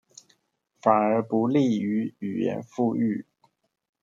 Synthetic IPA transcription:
fa˨˩nə˞˧˥pu˧˥li˥˩y˧˥y˨˩jɛ̰˧˥nfu˥˧y˥˩

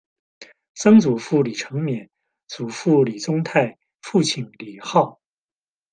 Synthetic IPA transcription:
sɤ˥ŋt͡su˨˩fu˥˩li˨˩ʈ͡ʂʰɤ˧˥ŋmjɛ˨˩˦n | t͡su˨˩fu˥˩li˨˩t͡sʊ˥ŋt̪ʰa˥˧ɪ | fu˥˧t͡ɕʰi˨˩nli˨˩xɑ˥˩ʊ

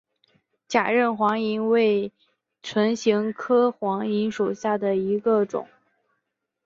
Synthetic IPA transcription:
t͡ɕja˨˩ɻə˥˩nxwɑ˧˥ŋi˧˥nwe˥˩ɪ | ʈ͡ʂʰwə˧˥nɕi˧˥ŋkʰɤ˥xwɑ˧˥ŋi˧˥nʂu˨˩ɕja˥˩d̪ə˩i˧˥ɡə˧ʈ͡ʂʊ̰˨˩˦

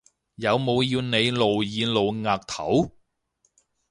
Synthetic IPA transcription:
jɐ˨˧wmo˨˧wjiː˧wne˨˧jlo˨wjiː˨˧lo˨wŋaː˨˩k̚t̪ʰɐ˨˥w

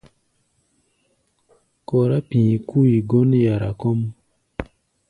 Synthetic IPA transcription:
kɔ˨ɾa˦pĩ˨ku˦i˨ɡo˦n˦ja˨ɾa̰˨kɔ˦m

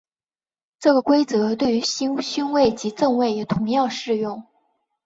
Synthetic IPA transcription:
ʈ͡ʂɤ˥˩ɡə˩kwe˥ɪt͡sɤ˧˥t̪we˥˩ɪy˧˥ɕɕy˥nwe˥˩ɪt͡ɕi˧˥t͡sɤ˥˧ŋwe˥˩ɪjɛ˨˩t̪ʰʊ˧˥ŋjɑ˥˧ʊʂɻ̩˥˧jʊ˥˩ŋ

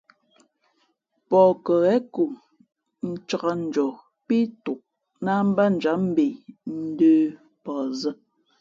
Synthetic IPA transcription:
pɔ˨kə˨ɣɛ˦ku˨ŋ | n̩˦t͡ʃa˨ɣa˦n̩˨d͡ʒɔ˨ | pi˦tu˨ʔ̚ | na˦m̩˦ba˦n̩˨d͡ʒa˨˦m̩˦be˨n̩˦dəː˦ | pɔ˨zə˦

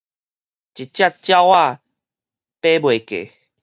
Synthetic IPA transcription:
t͡ɕi˨t̚t͡ɕja˦˨t̚t͡ɕja˦wwa˥˧ | pe˦bwe˨kḛ˨

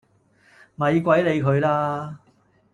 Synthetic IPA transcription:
mɐ˨˧jkʷɐ˨˥jle˨˧jkʰɵ˨˧ɥlaː˧

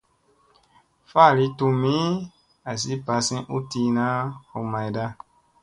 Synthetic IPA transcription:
fa˦˨li˧˦tu˧mĩ˦ | a˨s̬i˦pa˧sĩ˦ʔu˦ti˧na˦o˨ma˨jda˦

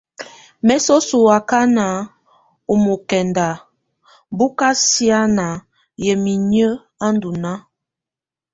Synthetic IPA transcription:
mɛ˨so˦su˨a˨ka˦na˨ | u˨mo˨kɛ˨nda˨ | bu˦ka˦si˦a˦na˨ | jɛ˨mi˨ɲə˦ | a˦n˦du˨na˦

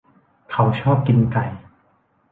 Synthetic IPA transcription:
kʰa˨˦wt͡ɕʰɔː˥˩p̚ki˧nka˨˩j

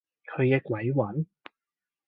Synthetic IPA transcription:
kʰɵ˨˧ɥkɛː˧kʷɐ˨˥jwɐ˨˥n

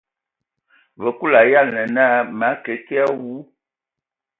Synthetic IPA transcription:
və˨ku˦la˨ja˦˨nə˨na˦ma˨˦kə˨˦ki˦a˦wu˨˦

